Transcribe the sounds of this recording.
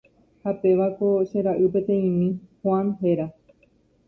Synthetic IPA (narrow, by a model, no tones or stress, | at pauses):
hape̞ʋakoʃẽɾaʔɨpe̞t̪ẽ̞ĩmĩhwãnɦeɾa